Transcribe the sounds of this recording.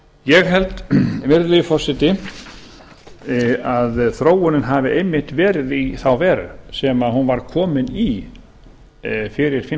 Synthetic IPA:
jɛɣɦɛlt̪vɪɾðlijfɔr̥sɛt̪ɪ | aðθɾoːwʏnɪnɦaːvɪʔejmːɪht̪vɛːɾɪðiθawvɛːɾʏ̰sɛmahunvaɾkʰɔːmɪni | fɪɾɪɾ̥fɪ

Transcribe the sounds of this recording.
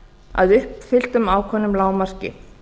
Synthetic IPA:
a̰ðʏhpfɪl̥t̪ʏmaːwkʰɔnːʏmlaːwmar̥cɪ̰

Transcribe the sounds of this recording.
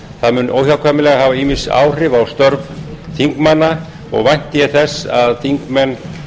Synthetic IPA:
θaðmʏnʔo̰wçawkʰaːmɪlɛɣahaːvaiːmɪnsa̰ːwr̥ɪvawst̪œɾvθiŋkmanːa | ɔ̰ɣvajn̥t̪ɪjɛθɛsːaðθiŋkmɛnː

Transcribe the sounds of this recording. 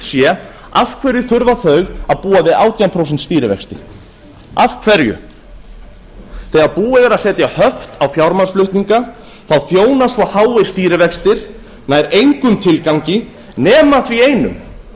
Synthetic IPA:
sjɛ | afkʰvɛɾjʏθʏɾvaθœɥɣaðpuːavɪðaːwt̪ʰiampʰɾowsɛnt̪st̪iːɾɪvɛ̰kst̪ɪ̰ | afkʰvɛɾjʏ̰ | θɛːɣaðpuːɛɣaɾasɛːt̪jahœft̪awfjawɾmansflʏht̪niŋka | θawθjoːwnasvɔhaːwɪst̪iːɾɪvɛkst̪ɪɾ̥ | naːjɾejŋkʏmt̪ʰɪlkawɲcɪ | nɛːmaθvieːjnʏ̰m

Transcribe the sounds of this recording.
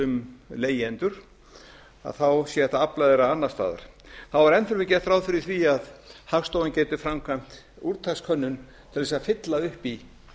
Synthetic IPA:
ʏmleːjɛnt̪ʏɾ̥ | a̰ðθawsjɛɛht̪aaplaðeɾaanːḁst̪a̰ːða̰ɾ̥θawvaɾɛnfɪɾmɪcɛ̥t̪ɾaːwðfɪɾɪθviaðhafst̪oːwancɛːt̪ʏfɾamkʰam̥t̪ | uɾt̪ʰaskʰœnːʏn | t̪ʰɪlðɛsafɪt̪laʏhpi

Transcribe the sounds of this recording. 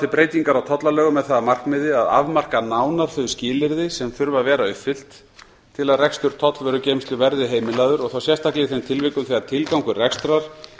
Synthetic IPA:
θɪɾpɾeːjt̪iŋkaɾawt̪ʰɔt̪lalœːɣʏmɛðθaðamar̥kmɪːðɪaða̰vmar̥kanaːwnaɾ̥θʏɥscɪːlɪɾðɪsɛmfʏɾvavɛːɾaʏfːɪl̥t̪ʰː | ɪlaðrɛkst̪ʏɾ̥t̪ʰɔt̪lvœːɾʏcejmst̪lʏvɛɾðɪɦeːjmɪlaːðʏɾɔɣθawsjɛst̪aklɪθejmt̪ʰɪlvɪkʏθiaɾ̥t̪ʰɪlkawŋkʏrɛkst̪ɾaɾ̥

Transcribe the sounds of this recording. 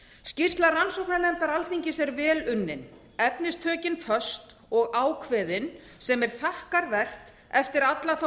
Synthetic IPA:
scir̥t̪laransɔwknanɛmt̪aɾalθiɲcɪsɛɾvɛːlʏnːɪn | ɛpnɪst̪ʰœːcɪnfœst̪ | ɔɣaːwkʰvɛːðɪn | sɛmɛɾ̥θahkaɾvɛr̥t̪ | ɛft̪ɪɾat̪laθa

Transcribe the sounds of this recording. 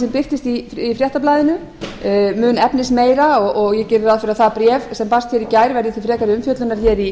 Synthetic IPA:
sɛmpɪft̪ɪst̪iifɾjɛht̪aplajðɪnʏ | mʏːnɛpnɪsmeːjɾaɔɣʔɔɣjɛcɪɾɪɾaðfɪɾaðθapɾjɛːvsɛmpast̪çɛɾicaːjɾvɛɾðɪθifɾɛːkaɾɪʏmfjœt̪lʏnaɾ̥çɛɾi

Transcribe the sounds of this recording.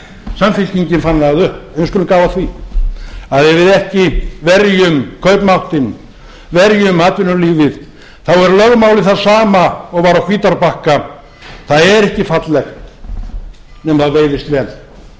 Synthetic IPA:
samfɪlciɲcɪnfanːaaðʏhpɛnvɪskʏlʏmkaːwvaθvi | aðɛɾvɪðɛhcɪvɛɾjʏmkʰœɥpmawht̪ɪn | vɛɾjʏmaːt̪vɪnʏliːvɪð | θawɛɾlœɣmawlɪθaðsaːmaɔɣvaːɾawkʰviːt̪aɾpahka | θaðɛɾɛhcɪfat̪lɛxt̪ | nɛmθaðveːjðɪst̪vɛːl

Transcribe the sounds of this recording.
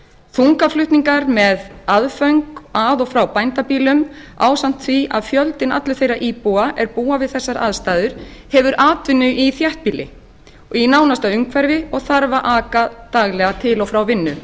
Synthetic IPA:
θuŋkaflʏht̪niŋkaɾmɛðaðfœɥŋkaðɔɣfɾawpajnt̪apiːlʏmaːwsan̥t̪θviʔa̰ðfjœlt̪ɪna̰t̪lʏ̥θejɾaʔiːpuaʔɛɾpuːavɪðθɛsːaɾʔa̰ðst̪aːðʏɾ̥hɛvʏɾʔaːt̪vɪnːʏʔiθjɛht̪̚piːlɪ̰ | inawnast̪aʏŋkʰvɛɾvɪɔɣθaɾvaʔaːkat̪aɣlɛɣat̪ʰɪlɔfɾawvɪnːʏ

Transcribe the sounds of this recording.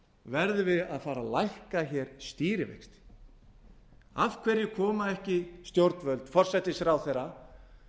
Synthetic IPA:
vɛɾðʏvɪðaðfaːɾalajhkaçɛːɾ̥st̪iːɾɪvḛjkst̪ | avkʰvɛɾjɪkʰɔːmaɛhcɪst̪jowɾt̪nvœlt̪fɔr̥sɛt̪ːɪsɾawθejɾa

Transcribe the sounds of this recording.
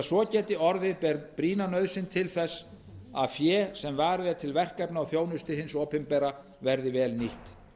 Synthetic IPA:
sɔcɛːt̪ɪʔɔɾðɪðpɛɾpɾiːnanœɥðsɪnt̪ʰɪlθɛsː | a̰ðfjɛːsɛmvaːɾðɛɾt̪ʰɪlvɛr̥kapnaawθjoːwnʏst̪ɪɦɪnsɔːpɪmpɛːɾa | vɛɾðɪvɛːlniht̪

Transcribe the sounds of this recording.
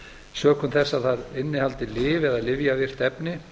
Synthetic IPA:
sœːkʰʏmθɛsːaθaɾɪnːɪhalt̪ɪlɪːvɛðaðlɪvjavjɛr̥t̪ɛpnɪ

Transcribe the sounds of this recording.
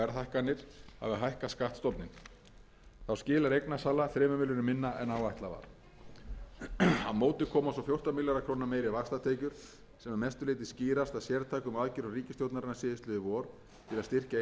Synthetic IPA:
ɛɾθajhkanːɪɾ̥ha̰vɪɦajhkaskaht̪st̪ɔt̪nɪn | θawscɪːlaɾejknasaːlaθɾɛːmʏmɪlʏnʏmɪnːaʔɛnawajht̪lava̰ɾ̥ | hanmoːwt̪ɪ̥kʰɔːmasɔfjowr̥t̪amiljaɾakʰɾownameːjɾɪvakst̪at̪ʰeːjcʏɾ̥ | sɛmamɛst̪ʏleːjt̪ɪsciːɾast̪aðsjɛɾt̪ʰaːjkʏmaðcɪɾariːcɪst̪jowt̪naɾɪnasɪːðɪst̪lʏɪvɔːɾ | t̪ʰɪlaðst̪ɪr̥ca

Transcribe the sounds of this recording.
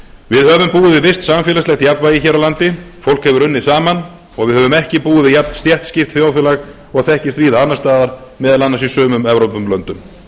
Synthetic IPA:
vɪðhœːvʏmpuːɪvɪvɪst̪samfɪːlaslɛxt̪japnvaːjɪçɛːɾawlant̪ɪfowl̥khɛvʏɾʏnːɪsaːman | ɔɣvɪðhœvʏmɛhcɪpuːðɪvɪjapnst̪jɛht̪scɪft̪fjawfɪːlaɣ | ɔɣθɛhcɪst̪viːðaanːast̪aːðaɾmɛːðalanːasisœːmʏmɛvɾowpʏmplœnt̪ʏm

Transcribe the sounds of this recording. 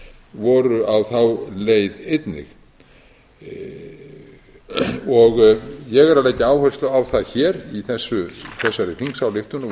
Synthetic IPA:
vɔɾʏawθawleːjðejt̪nɪ̰x | ɔɣjɛɣɛɾaleːjcɪaːwhœst̪lʏawθaðçɛːɾiθɛsːʏθɛsːaɾɪθiŋksawlɪft̪ʏn

